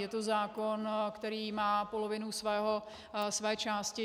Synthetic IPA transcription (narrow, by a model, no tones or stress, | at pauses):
jɛt̪ozaːkonkt̪ɛɾiːmaːpolovɪnusvɛːɦo | svɛːt͡ʃaːscɪ